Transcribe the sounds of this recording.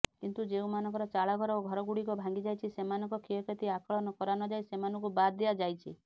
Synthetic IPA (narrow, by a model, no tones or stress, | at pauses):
kint̪ud͡ʒeũmanɔ̃ŋkɔɾɔt͡ʃaɭaɡʱɔɾɔoɡʱɔɾɔɡuɽikɔbʱãŋɡid͡ʒajt͡ʃʰisemanɔŋkɔkʰiɔket̪iakɔɭɔnɔkɔɾanɔd͡ʒajsemanɔ̃ŋkubad̪ead͡ʒajt͡ʃʰḭ